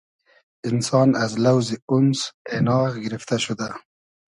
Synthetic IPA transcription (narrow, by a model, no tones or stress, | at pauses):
ɪnsɑːnazlawziʊnsenɑːɣɡɪɾɪft̪aʃʊd̪a